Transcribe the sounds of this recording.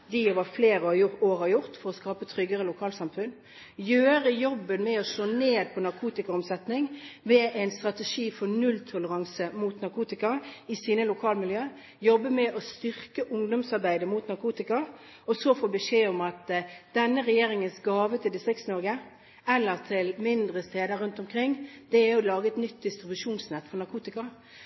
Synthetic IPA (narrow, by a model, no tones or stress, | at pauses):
d̪ioʋɑfleːɾəɑjʊtoːɾɑjʊɾt̪fɔɾɔskɑːpət̪ʰɾʏɡəɾəlʊkʰɑːlsɑmfʉn | jøːɾəjɔbːənmɛɔʂoːneːd̪̚pʰɔnɑʁkʰuːt̪ɪkɑɔmsɛt̪nɪŋʋɛæɪnst̪ʁɑt̪ɛʂiːfɔnʉlt̪ʰʊləʁɑŋsəmuːt̪nɑɾkʰuːt̪ɪkɑɾɪsiːnəlʊkʰɑːlmɪljøː | jɔbːəmɛʔɔst̪ʏʁkəʔʊŋd̪ɔmsɑɾbæɪd̪əmuːt̪nɑɾkʰuːt̪ɪkɑ | ɔsofoːbəʂeːɔmɑt̪d̪̥ɛnːəɾɛjeːɾɪŋənsɡɑːʋət̪ʰɪld̪ɪst̪ʁɪkt̪snɔɾɡə | ɛlːəʁt̪ʰɪlmɪnd̪ɾəst̪eːd̪əɾʉnt̪ɔmkʰɾɪŋːd̪̥ɛæjʊlɑːɡəɛt̪nʏt̪̚d̪ɪst̪ɾɪbʉʂuːnsnɛt̪ːfɔnɑɾkʰuːt̪ɪkɑ